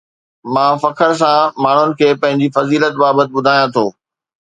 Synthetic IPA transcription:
mãːfɐkʰəɾs̬ãmaːɳ̤ʊnɪ̆kʰeːpɐ̃ɦɪ̃ɲd͡ʑifɐziːlət̪baːbət̪ɪ̆ɓʊd̪ʱaːjãt̪ʰoː

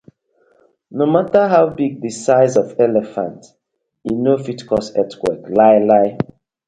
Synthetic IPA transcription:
nomataɦaʊbiɡ̚dəsaɪzɔvɛlɛfã̰nt | inofitkʰɔsɛtkwɛklaɪlaɪ

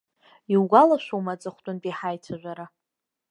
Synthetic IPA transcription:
iwɡʷalaʃʷuwmat͡sʼaχʷtʷʼʊntʼiħajtʰaʒᶣʷaɾa

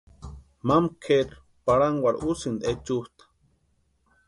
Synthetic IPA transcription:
mamkʰeɾ | paɽaŋwaɾusind̪et͡ʃuht̪ḁ

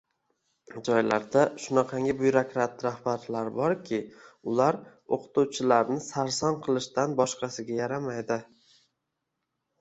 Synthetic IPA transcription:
d͡ʒɒjlaɾd̪aʃʊnaqʰɑŋʲɪbʊjɾakʲɾat̪ːɾahbaɾlaɾbɒɾkʲʰɪʊlaɾoqʰʊ̥t̪uwt͡ʃʰɪlaɾnɪsaɾsɒnqʰɨlˠɪʃt̪anbɒʃqɑsɪɡʲajaɾamajd̪ɪ

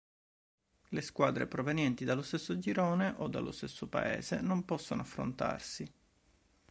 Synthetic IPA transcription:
leskwaːd̪ɾḛpɾovenjɛnt̪id̪alːost̪esːod͡ʒiɾoːneʔod̪ːa̰lːo̰st̪esːopa̰ḛːzḛnompɔsːonoafːɾo̰nt̪a̰rsi

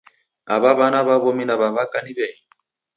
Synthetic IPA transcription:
aβaβanaβaβɔminaβaβakaniβɛi

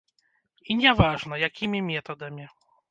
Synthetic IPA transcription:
iɲɛvaʐnɔjakʲimʲimʲjɛt̪ɔd̪ɛmʲi

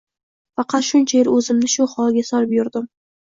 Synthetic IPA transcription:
fɑqɑt̪ʃʊnt͡ʃʰajɪɾɵzɪmnɪʃʊhɒlˠɡʲasɒɾɪpjʊɾd̪ɪm

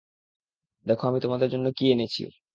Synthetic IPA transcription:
d̪ɛkʰoamit̪omad̪eɾd͡ʑonːokienet͡ɕʰḭ

